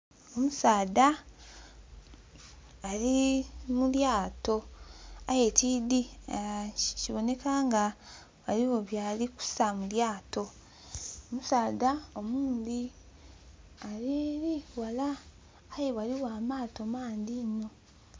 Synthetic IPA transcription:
o̞musaːda | limuljaːto̞ajetiːdi | ciβo̞ne̞kaːŋɡa | waliβo̞βjaːliku̥samuljaːto̞ | omusaːdaomuːnd̪i | aɾiɾiwalaː | jeβaliwaːmaːto̞maːndino̞

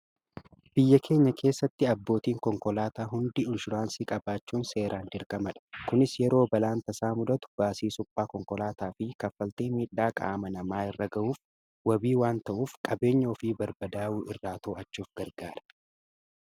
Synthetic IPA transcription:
b̥ɪjːɐkʰe̞ːɲːɐkʰe̞ːsːɐt̪ːɪɐbːo̞ːt̪iːŋkɔŋkɔlaːt̪aːɦʊnd̪ɪɪnʃʊɾaːnsiːkʼɐbaːt͡ʃːuːnse̞ːɾʔaːnd͡ʒɪɾkʼɐmɐᶑɐ̥kʊnɪsjɛɾo̞ːbɐlaːnt̪ɐsaːmʊd̪ɐt̪ʊ̥b̥aːsiːsʊpʼːaːkɔŋkɔlaːt̪aːfɪkɐfːɐlt̪eːmiːᶑːaːkʼa̰ːmɐnɐmaːɪrːɐɡɐʔuːf | wɐbiːwaːnt̪ɐʔuːfkʼɐbe̞ːɲːɐɔfiːbɐɾbɐd̪aːʔuːʔɪrːaːt̪oːɐt͡ʃːuːfɡɐɾɡaːɾɐ̥

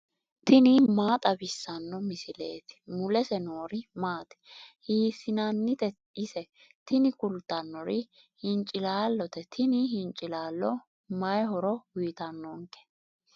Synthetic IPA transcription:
t̪ʰɪnɪmaːt̪ʼɐbɪsːɐnːɔmɪsɪlḛːt̪ɪ̥mʊlɛsɛnoːɾɪmaːt̪ɛ̥hiːsɪnɐnːɪt̪ɛ | ɪsɛ | t̪ɪnɪkʊlt̪ːɐnːɔɾɪ | hɪnt͡ʃʼɪlaːlːɔt̪ɛt̪ʰɪnɪɦɪnt͡ʃʼːɪlaːlːɔ | mɐjɦɔɾɔwʊjt̪ɐnːɔŋkɛ̥

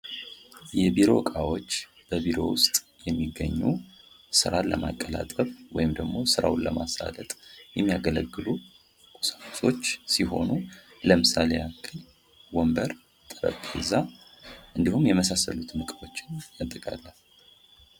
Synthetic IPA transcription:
jɛbiɾo̞̰kʼawo̞t͡ʃː | b̥əbiɾo̞wʊst̪ʼ | jɛmːiɡːəɲːu | sɨɾaləma̰kʼːəlat̪ʼəfwɔjɪmd̪əɡmo̞sɨɾa̰wnləmasa̰lət̪ʼjɛmːijaɡələɡːɨlu | kʼu̥sakʼu̥so̞t͡ʃːsiɦo̞nu | ləmɨsalejakʰːɨn | wombəɾ | t̪ʼəɾə̰bʼhɨzaʔɨnd̪ihumjɛməsasːə̰lut̪mɨkʼɨbo̞t͡ʃːɪnmət̪ʼːɨkʼa̰lːəh

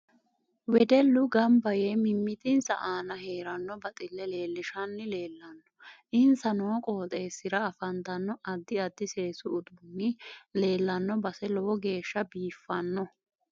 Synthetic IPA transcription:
wɛd̪ɛlːʊɡɐmbɐjeːmɪmːɪt̪ɪnsɐ̰ʔaːnɐɦe̞ːɾɐnːɔbɐt̪ʼɪlːɛle̞ːlːɪʃɐnːɪle̞ːlːɐnːɔ̥ʔɪnsɐnoːkʼoːt̪ʼe̞ːsɪɾɐːfɐnt̪ɐnːɔʔɐd̪ːɪɐd̪ːɪse̞ːsʊːd̪ʊnːɪle̞ːlːɐnːɔbɐsɛlɔwɔɡe̞ːʃːɐbiːfːɐnːɔ

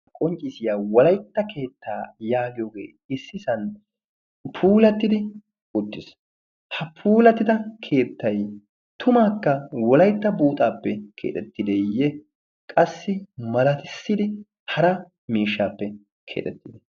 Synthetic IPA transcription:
kʼɔnt͡ʃʼɪsɪjaːwɔlɐjt̪ːɐke̞ːt̪ːaːjaːɡɪjoːɡḛː | ɪsːɪsɐn | pʰuːlɐt̪ːɪd̪ɪ | ʊt̪ːɪs | hɐpʰuːlɐt̪ːɪd̪ɐkʰe̞ːt̪ːɐj | t̪ʰʊmaːkːɐwɔlɐjt̪ːɐbuːt̪ʼaːpːɛkʰḛːt̪ʼɛt̪ːɪd̪ɛjɛ | kʼɐsːɪmɐlɐt̪ɪsːɪd̪ɪ | hɐɾɐ | miːʃːaːpːɛ | kʰḛːt̪ʼɛt̪ːɪd̪ɛ

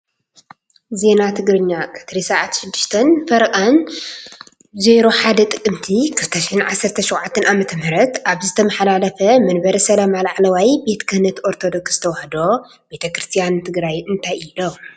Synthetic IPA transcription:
ze̞nat̪ʰɨɡɾɨɲːakʰɨ̥t̪ʰɾisaʕat̪ʃɪd̪ːɨʃt̪ʰɐnfɐɾɐkʼan | ze̞ɾo̞ħad̪ɐt̪ʼɨkʼːɨmt̪ʰikʰɨlt̪ʰɐʃɪħɨnʕasːɐɾt̪ʰɐʃɔwʕat̪ʰːɐnʔamɐt̪ʰɐmɨɾɐt̪ʔaβzɨt̪ʰɐmɐħalalɐfɐmɐnbɐɾisɐlɐmalaʕlɐwajbe̞t̪kʰɨhnɐt̪oɾt̪ʰod̪o̞ksz̥ɨ̥t̪ʰɐwɐhd̪o̞ | be̞t̪ʰɐkɾɨst̪ʰijant̪ʰɨɡɾajɨnt̪ʰajilo

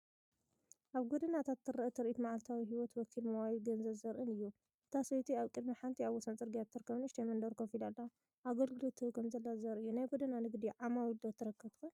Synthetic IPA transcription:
ʔaβɡod̪ɨnat̪ʰat̪ːɨɾɐʔt̪ʰɨɾʔit̪maʕalt̪ʰawiɦiwɔt̪wɔkʰilmɐwajiɡɐnzɐzɐɾʔɨnɨjːu | ɨt̪ʰasɐjt̪ʰiaβkʼɨd̪miħant̪ʰiaβwɔsɐnt͡sʼɨɾɡijat̪ʰːɨɾkʰːɐβnɨʃt̪ʰɐmɐnd̪ɐɾkʰɐfilalːɐ | ʔaɡɐlɡɨlot̪ʰːɨkʰɐmzɐlːazɐɾɨjːunajɡod̪ɨnanɨɡd̪iʕamawd̪ot̪ʰːɨɾɐkʰːɐβt̪ku

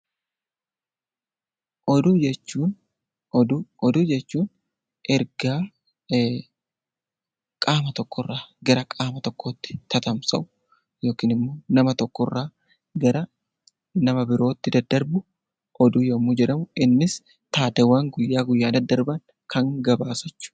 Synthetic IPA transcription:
ʔɔd̪ud͡ʒɛt͡ʃːuːn | d̪ɔd̪uːd͡ʒɛt͡ʃːuːn | ʔɛɾɡaː | kʼaːmɐt̪ɔkːɔrːaːɡɐɾɐkʼaːmɐt̪ɔkʰːo̞ːt̪ːɪ̥t̪ʰɐt̪ɐmsɐʔʊ̥ | jo̞ːkiːnɪmːo̞ːnɐmɐt̪ɔkːɔrːaː | ɡɐɾɐ | nɐmɐbɪɾo̞ːt̪ːɪd̪ɐd̪ːɐɾbʊ | ʔɔd̪uːjomud͡ʒɛᶑɐmʊɪnːɪs | t̪aːt̪ɛwːaːŋɡʊjːaːɡʊjːaːd̪ɐd̪ːɐɾbɐn | kʰɐŋɡɐbaːsɐt͡ʃːʊ̥

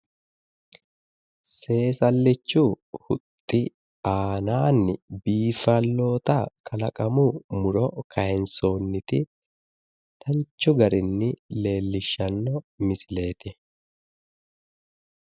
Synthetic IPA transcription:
se̞ːsɐlːɪt͡ʃːʊ | hʊt̪ʼːɪ | aːnaːnːɪbiːfɐlːo̞ːt̪ɐkʼɐlɐkʼɐmʊmʊɾɔkʰɐjɛnso̞ːnːɪt̪ɪ | t̪ʰɐɲt͡ʃːʊɡɐɾɪnːɪle̞ːlːɪʃːɐnːɔmɪsɪle̞ːt̪ɪ

